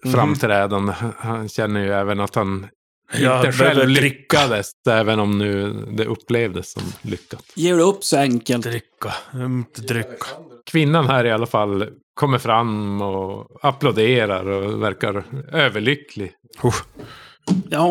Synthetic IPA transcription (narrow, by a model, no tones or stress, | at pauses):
fɾamːt̪ʰɾɛːd̪and̪əhhanɕɛnːəjɵɛːvənat̪han | ɪəɧɛlvlʏɾkːad̪əsɛːvənɔmnʉ̟ːd̪ɛʔɵpːleːvd̪əsːɔ̰mlʏkːat̪jeːɖɛɵpːsɔɛŋkəlɾɪkːaɪt̪əd̪ɾʏkːḁkʰvɪnːanhæːɾɪalːafalː | kʰɔmːəɾfɾamɔaplaʊd̪eːɾaɾɔvæɾkaɾøːvəɭʏkːlɪ | u | jɑ